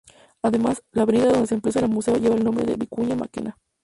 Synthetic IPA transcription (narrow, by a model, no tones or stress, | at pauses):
aðe̞maslaβeniɣaðond̪esemples̬alamuse̞oʝe̞βalnombɾeðeβikuɲama̰kḛna